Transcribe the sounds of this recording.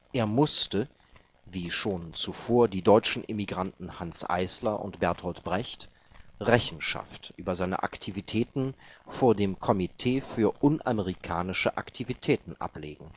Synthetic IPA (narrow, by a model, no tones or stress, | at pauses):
ʔeːɐmʊstə | viːʃoːnt͡sufoːɐdiːdɔʏt͡ʃn̩ʔɪmiɡʁantn̩hansʔa̰ɪslɐʔʊ̰ntb̥ɛɐthɔltb̥ʁɛçt | ʁɛçn̩ʃa̰ftʔyːbɐzaɪnə̰ʔa̰ktʰivitʰɛːtn̩foːɐdeːmkʰɔmitʰeːfyːɐʔʊnʔaməʁikʰaːnɪʃəʔa̰ktʰivitʰɛːtn̩ʔa̰pleːɡŋ̩